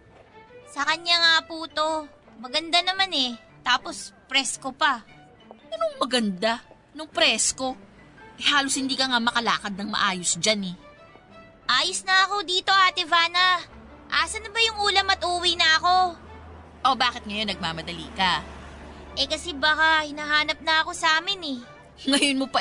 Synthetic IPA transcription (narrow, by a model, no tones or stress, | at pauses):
sɐkɐɲaŋapuːt̪o̞ | mɐɡɐnd̪anɐmanɛ | t̪aːpo̞spɾɛsko̞pɐ | pɛɾoŋmɐɡɐnd̪a | nʊŋpɾɛsko̞ | ʔɛhaːloshɪnd̪iːkɐŋamɐkɐla̰ːkɐd̪̚nɐŋmɐ̰ʔaːjosd͡ʒanɛ | ʔaːjosnɐʔɐko̞d̪iːt̪o̞ʔaːt̪ɛvaːnɐ | ʔaːsɐnɐbɐjʊŋʔuːlɐmɐt̪ʔuːwinɐʔɐko̞ | ʔo̞baːkɪt̪̚ŋɐjo̞nːɐɡ̚maːmɐd̪ɐlḭːkɐ | ʔɛkɐsɛbakɐhɪnaːɦaːnɐp̚nɐɐko̞saːmɪnɛ | ŋɐjonmopɐ